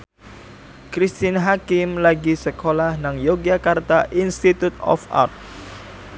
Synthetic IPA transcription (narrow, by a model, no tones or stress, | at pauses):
kɾist̪inɦakɪmlaɡisəkʰolahnaŋjoɡiakart̪aʔinst̪it̪ut̪ɔ̰fa̰rt̪̚